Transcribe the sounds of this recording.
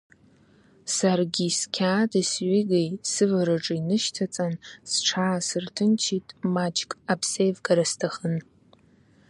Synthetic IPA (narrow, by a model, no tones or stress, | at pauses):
sarɡʲiskʲʰaːdɨsɥiɡejsɨvaɾaʈ͡ʂʼɨinɨʃtʰat͡sʼansʈ͡ʂʰaːsɨrtʰɨnt͡ʃʰitʼmad͡ʒkʼapʰsejvɡaɾastʰaχən